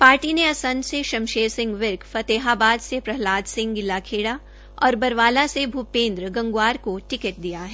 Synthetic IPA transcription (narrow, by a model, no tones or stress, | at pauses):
paːɾʈineɐsə̃nd̪seʃɐ̃mʃeːsɪ̃ŋɡʋɪɾkfɐt̪eːɦaːbaːd̪sepɾɐɦlaːd̪sɪ̃ŋɡɡɪlːakʰeːɽa | ɔːɾbɐɾʋaːlasebʱupẽːnd̪ɾəɡɐ̃ŋɡwaːɾkoʈɪkəʈ̚d̪ijaɦɛː